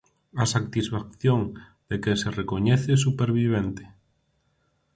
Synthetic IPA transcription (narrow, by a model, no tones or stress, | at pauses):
asak̚t̪isfak̚θjoŋ | d̪̥ekeserekoɲeθes̬upeɾβiβ̞ent̪e̥